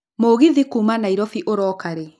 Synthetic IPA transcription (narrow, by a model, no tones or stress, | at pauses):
moɣiðikuːmanaiɾɔfiʔoɾɔːkaɾe